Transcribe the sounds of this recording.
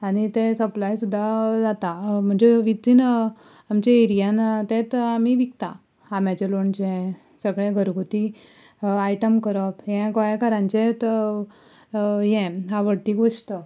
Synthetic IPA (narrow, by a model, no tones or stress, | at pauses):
anit̪ẽsəplajsud̪ʱːad͡zat̪am̤əɳd͡zeʋit̪iːn | amt͡ɕaeɾijant̪ẽt̪amiʋikt̪ã̰ | amjat͡ɕeloɳt͡ɕɛ̃ | səɡɭẽɡʱəɾɡʱut̪i | aiʈəmkəɾəpɦɛ̃kəjakaɾãɲt͡ɕet̪ | jɛ̃ɦaʋəɽt̪iːɡoʂʈ̪ə